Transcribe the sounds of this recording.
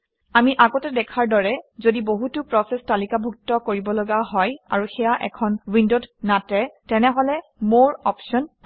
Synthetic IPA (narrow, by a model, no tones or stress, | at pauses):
amiʔaɡɔtɛdɛkʰaɹdɔɹɛzodiboɦutʊpɹɔsɛstalikabʱuk̚tɔkoɹibɔlɔɡaɦɔja̰ɹuxɛjaʔɛ̰kʰɔnwindodnatɛtɛnɛɦɔlɛmoɹɔpʃɔn